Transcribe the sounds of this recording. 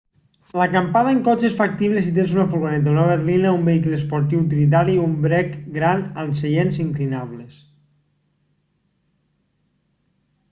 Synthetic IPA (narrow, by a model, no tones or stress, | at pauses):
lakampaðəeŋkɔt͡ʃesfak̚t̪iβlesit̪̬esunafulɣonɛt̪̬aunaβeɾlinaumbeikleːspoɾt̪̬iwt̪̬ilit̪̬aɾiumbɾɛkɡɾanənseʎenziŋklinaβles